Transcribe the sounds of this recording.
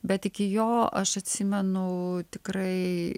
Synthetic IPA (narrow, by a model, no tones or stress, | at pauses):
bʲɛt̪ɪkʲɪjoːɐʃɐt̪ʲsʲɪmʲɛnʊt̪ʲɪkrɐɪ